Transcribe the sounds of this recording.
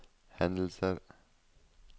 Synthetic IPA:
hɛnd̪l̩səɾ

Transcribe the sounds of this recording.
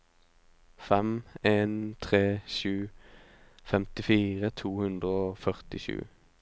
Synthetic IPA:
fɛmeːnt̪ʰʁeːʃʉː | fɛmt̪ɪfiːʁət̪ʰuːhʉnd̪ʁəoːfœʁt̪ɪʃʉ̰ː

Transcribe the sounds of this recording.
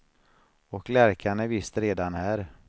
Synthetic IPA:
ɔklæɾkʰanɛɾvɪst̪ɾeːd̪anhæːɾ

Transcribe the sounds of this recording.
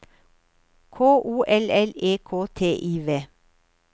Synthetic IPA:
kʰoːʔuːʔɛlɛleːkʰoːt̪ʰeːʔiːʋeː

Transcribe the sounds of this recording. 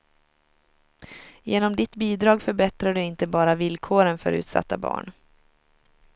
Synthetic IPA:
jeːnɔmd̪ɪt̪biːd̪ɾɑːɡfœɾbɛt̪ɾaɖɵɪnt̪əbɑːɾavɪlkʰoːɾənfœ̰ɾʉ̟̰ːt̪sa̰t̪ːa̰bɑ̰ːɳ

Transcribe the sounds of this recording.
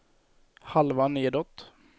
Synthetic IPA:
halvaneːd̪ɔt̪ː

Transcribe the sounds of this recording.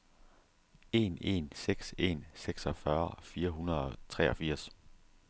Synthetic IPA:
e̝̰ne̝̰nseɡ̥se̝̰nseɡ̥sɒ̽fɶɐfiːɐɦunɐð̩ˠɒ̽t͡sʰʁɛːɒ̽fiɐ̰s

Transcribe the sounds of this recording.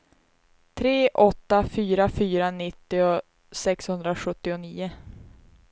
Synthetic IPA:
t̪ʰɾeːʔɔt̪ːafyːɾafyːɾanɪt̪ːɪʊ | sɛkshɵnd̪ɾaɧɵt̪ːɪʊniːʊ

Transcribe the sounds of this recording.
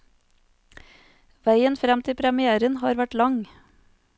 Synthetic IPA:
ʋæɪənfɾɛmt̪ʰɪpʰɾɛmɪæːɾənhɑːɾʋæʈlɑŋ

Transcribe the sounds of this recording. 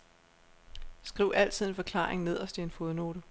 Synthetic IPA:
sɡ̥ʁiʊ̰ʔæl̰t͡sʰið̞̰ˠe̝nfɒ̽kʰl̥ɑ̰̈ːʁeŋne̝ð̞̰ˠɒ̽sd̥ie̝nfo̝ðˠno̝ːɾə

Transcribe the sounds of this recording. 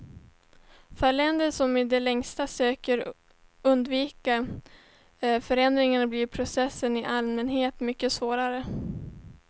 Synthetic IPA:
fœɭɛnd̪əsɔmɪd̪ɛlɛŋst̪asøːkəɾ | ɵnd̪viːka | fœɾɛnd̪ɾɪŋanabliɾpʰɾʊsɛsːənɪʔalmɛnɦeːt̪mʏkːəsvoːɾaɾə

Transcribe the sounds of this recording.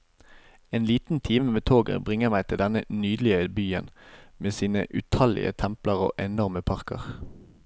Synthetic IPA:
eːnliːt̪n̩t̪ʰiːməmeːt̪ʰoːɡə̰bʁɪŋəmæɪt̪ʰɪld̪ɛnənyːd̪l̩ɪəbyːənmeːsiːnə̰ʔʉt̪ʰɑlɪ̰ə̰t̪ʰɛmpləʁo̰ːʔɛnɔʁməpʰɑʁkə̰ʁ

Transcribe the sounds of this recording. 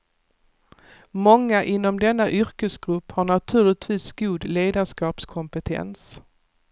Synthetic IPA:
mɔŋːaʔɪnːɔmd̪ɛnːaʔʏɾkəsɡɾɵpːhaɳat̪ʰʉ̟ːɭɪt̪ʰviːsɡuːd̪leːd̪aʂkɑːpskʰɔmpət̪ʰɛ̰ns

